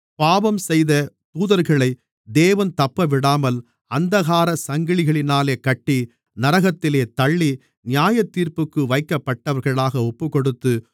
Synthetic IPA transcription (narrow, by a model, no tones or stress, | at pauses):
paːʋɐmsɛjðɐ | t̪uːðɐɾɣɐɭɐɪ | d̪eːʋɐnt̪ɐpːɐʋɪɽaːmɐl | ɐnd̪ɐɣaːɾɐsɐŋɡɪɭɪɣɐɭɪnaːleːkɐʈːi | nɐɾɐɣɐt̪ːɪleːt̪ɐɭːi | nɪjaːjɐt̪ːiːɾpɯkːɯʋɐɪkːɐpːɐʈːɐʋɐɾɣɐɭaːɣɐɔpːɯkɔɽɯt̪ːɯ